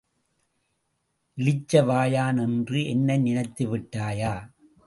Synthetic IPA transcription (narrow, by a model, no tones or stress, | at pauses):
ʔɪlɪt͡ʃːɐʋaːjaːnɛndrɯɛnːɐɪnɪnɐɪt̪ːɯʋɪʈːaːjaː